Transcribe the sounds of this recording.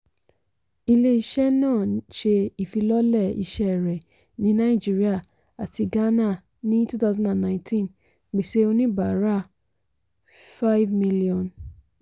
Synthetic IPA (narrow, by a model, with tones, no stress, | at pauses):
i˧le˧i˧ʃɛ˦nãː˦˨ʃe˧i˨fi˧lɔ˦lɛ˦˨ḭ˧ʃɛ˦˨ɾɛ˨ | nĩ˨˦nã˦i˦˨d͡ʒi˦ɾi˦a˦˨ | a˨ti˧ɡa˦na˦˨ | nĩ˦tu˦ta˦zã˨da˨nnã˦ĩ˦tʰĩ˦n | ɡ͡be˨se˦o˧nĩ˦ba˨˦ɾa˦˨ | fa˦i˦vmi˦li˦ɔ̃˨n